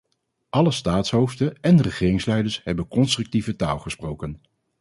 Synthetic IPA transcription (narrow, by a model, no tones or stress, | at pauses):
ʔɑləstaːtsɦowftəɛnrəχɪːrɪŋslɛjdəɹsɦɛbənkɔnstrʏk̚tivəta̰ːlˠχəsprowkən